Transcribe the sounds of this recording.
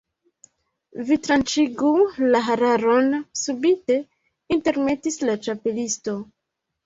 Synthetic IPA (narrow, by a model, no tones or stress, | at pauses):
vitɾant͡ʃiɡulaɦaɾaɾo̞nsubite̞ | inte̞ɾme̞tislat͡ʃape̞listo̞